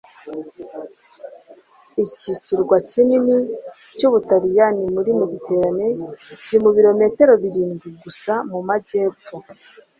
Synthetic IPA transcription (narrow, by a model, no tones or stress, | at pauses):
iciciɾɡwacinini | cuβutaɾijanimuɾimuɟite̞ːɾane̞ciɾimuβiɾo̞me̞te̞ɾo̞βiɾiːnɡiɡusamumaɟe̞ːp͡fo